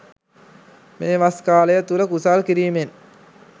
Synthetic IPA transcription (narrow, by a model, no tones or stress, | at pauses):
meːʋaskaːləjət̪uləkusaːlkiɾiːmen